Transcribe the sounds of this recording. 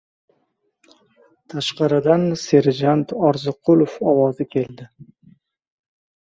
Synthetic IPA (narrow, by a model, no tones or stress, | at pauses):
t̪ʰaʃqɑɾɪd̪anse̞ɾd͡ʒant̪ʰɒɾzɪqʰʊlˠofɒwɒzɪkʲʰe̞ld̪ɪ